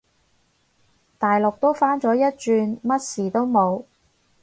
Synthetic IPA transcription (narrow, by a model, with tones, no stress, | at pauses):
t̪aː˨jlʊ˨k̚t̪o˥wfaː˥nt͡sɔː˨˥jɐ˥t̚t͡ʃyː˧nmɐ˥t̚siː˨˩t̪o˥wmo˨˧w